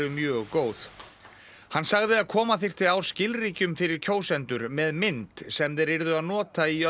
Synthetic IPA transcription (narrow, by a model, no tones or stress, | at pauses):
ʏmjœːɣkoːwθ | hanːsaɣðɪaðkʰɔːmaθɪr̥t̪ɪaw̥scɪlriːcʏmfɪɾɪɾ̥cʰoːwsɛnt̪ʏɾmɛðmɪnt̪sɛmðɛɾɪɾðʏaðnɔːt̪aiœ